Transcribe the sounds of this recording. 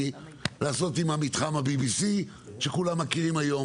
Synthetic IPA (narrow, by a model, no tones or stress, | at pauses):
i | laːso̞timhamit̪χamhabibisi | ʃekulamːakiʁimajo̞